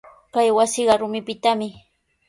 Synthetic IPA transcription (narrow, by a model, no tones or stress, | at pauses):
kajwasɪɢɑɾʊmɪpɪt̪amɪ